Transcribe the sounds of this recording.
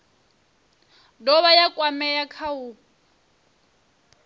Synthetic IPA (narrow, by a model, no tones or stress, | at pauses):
dɔβajakʼwamɛjakʰau